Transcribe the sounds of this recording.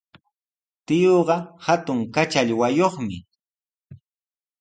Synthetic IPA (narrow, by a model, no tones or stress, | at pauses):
t̪ɪjoːɢɑhat̪ʊŋkat͡ʃaʎwajoχmɪ